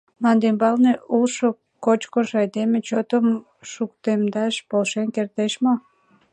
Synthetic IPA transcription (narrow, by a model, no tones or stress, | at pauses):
nɑnd̪embɑlneulʃo | kot͡ɕkoʃɑjd̪emet͡ɕot̪əm | ʃukt̪emd̪ɑʃpolʃenkert̪eʃmo